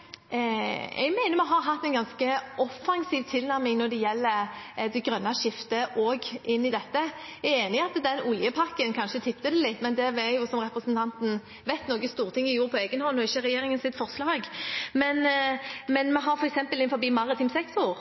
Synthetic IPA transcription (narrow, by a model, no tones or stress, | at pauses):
ɛ̰ɡmæɪnəɾmɛɦɑɾɦɑt̪ːɛɪnɡɑnskəʔɔfɑŋsiːʋt̪ʰɪlnæɾmɪŋnɔɾd̪ɛjɛlːəd̪ɛɡɾœnːɑʃɪft̪əʔoːɡʔɪnːɪd̪ɛt̪ːəɛeːnɪɑt̪d̪ɛnʊljəpʰɑkːənkʰɑnʃət̪ʰɪpt̪əd̪ɛlɪt̪ːmɛnd̪ɛʋɛjʊsɔmɾɛpɾəsnt̪ʰɑnt̪n̩ | ʋæɪt̪noːɡəst̪uːʁət̪ʰɪŋːɪjuːʁɾpʰɔeːɡənhɔnːɔɪçːəɾɛjeːɾɪŋənsɪt̪fɔʁslɑːɡmɛnmɛnmɛɦɑɾfɔɾɛksɛmpəlɪnfɔɾbiːmɑʁɪt̪ʰɪmsɛksʊɾ